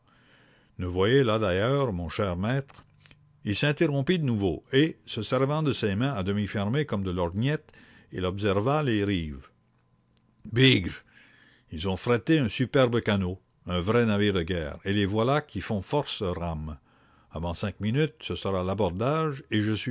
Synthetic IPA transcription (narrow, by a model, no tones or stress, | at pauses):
nuvwajelad̪ajœːʁmɔ̃ʃɛːʁmɛːt̪ʁ | ilsɛ̃t̪eʁɔ̃pid̪ənuvoesəsɛʁvɑ̃d̪əsemɛ̃ad̪əmifɛʁmekɔmd̪əlɔʁnjɛt̪ | ilɔbs̬ɛʁvaleʁiːv | biɡʁ | ilzɔ̃fɾat̪eœ̃sypɛʁbəkano | ɛ̃vʁɛnaviːʁd̪əɡʲɛ̰ːʁelevwalakʰʲifɔ̃fɔʁsʁam | avɑ̃sɛ̃kminyt̪səsəʁalabɔʁd̪aːʒeʒəsɥi